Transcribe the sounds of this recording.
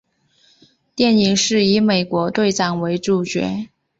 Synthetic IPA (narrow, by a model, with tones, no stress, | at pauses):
t̪jɛ˥˩ni˧˥ŋʂɻ̩˥˩i˧˥me˨˩ɪkwɔ˧˥t̪we˥˩˧ɪt͡sɑ˨˩ŋwe˧˥ɪʈ͡ʂu˨˩t͡ɕɥɛ̰˧˥